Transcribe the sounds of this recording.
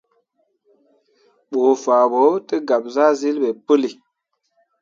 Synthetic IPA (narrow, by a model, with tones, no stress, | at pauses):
ɓoː˨faː˨ɓo˨˦tə˦ɡa˨p̚za˦zi˦lɓe˨pə˦li˨